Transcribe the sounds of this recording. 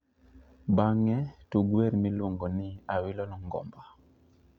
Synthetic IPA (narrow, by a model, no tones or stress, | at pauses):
baŋɛtuɡwɛɾmilwoŋɡɔnɪawilɔlɔŋɡɔ̰mba